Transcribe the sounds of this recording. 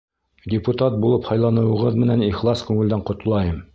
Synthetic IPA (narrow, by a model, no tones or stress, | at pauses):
dʲɪput̪ɑt̪̚bulˠɤphɑjlˠɑnɤ̆wɤ̆ʁɤðmɘ̆næniχlˠɑskʉŋɘ̆ld̪æɴqŏt̪lˠɑjɤm